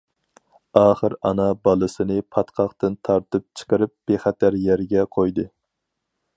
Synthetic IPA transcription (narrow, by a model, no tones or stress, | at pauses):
ɑːχəɾɑnɑbɑlˠɨsɨnɨpʰɑt̪qʰɑχt̪ɨnt̪ʰɑɾt̪ɨp̚t͡ʃʰə̥qəɾɨp̚b̥eχɛt̪ʰæɾjɛɾɡʲɛqʰojd̪ɨ